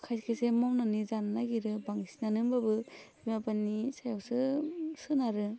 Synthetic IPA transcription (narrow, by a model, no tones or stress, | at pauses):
kʰajskʰasemɔwnanizananaɡiɾɯbaŋisinanɯmbabɯbimapanisajawsɯsɯnaɾɯ